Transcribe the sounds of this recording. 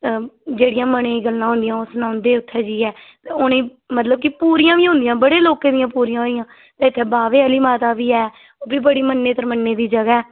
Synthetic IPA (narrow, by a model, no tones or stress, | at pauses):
d͡ʒeːɽɪjãːməɽẽːɡəlːãːɦʊ̃nd̪ɪjãːosʊnãːʊnd̪eːʊt̪ʰːɛːd͡ʒiːɛː | t̪eːʊnẽː | mət̪ləb̚kɪpuːɾijãːʋiːɦʊ̃nd̪ijãːbəɽeːloːkẽːd̪ɪjãːpuːɾijãːoɪjãː | t̪ɛ̃ːɪt̪ʰːeːbaːʋeːəliːmaːt̪aːʋiːɛː | oːbiːbəɽiːmənːeːt̪əɾmənːeːd̪iːd͡ʒəɡaɛː